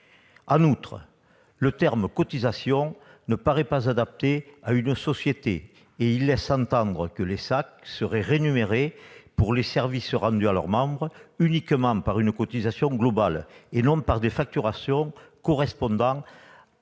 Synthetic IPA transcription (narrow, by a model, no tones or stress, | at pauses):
ɑ̃nut̪χə̰ | lət̪ɛʁməkɔt̪izasjɔ̃nəpaʁɛpazad̪ap̚t̪eaynəsɔsjet̪e | eilːɛsɑ̃nt̪ɑ̃nd̪ʁəkəlesak̚səʁɛʁenymeʁepuʁlesɛʁvisəʁɑ̃nd̪yalœ̰ʁmɑ̃bʁəynikəmɑ̃paʁynəkɔt̪izasjɔ̃ŋɡlɔbalenɔ̃paʁd̪efak̚t̪yʁasjɔ̃kɔʁɛspɔ̃nd̪ɑ̃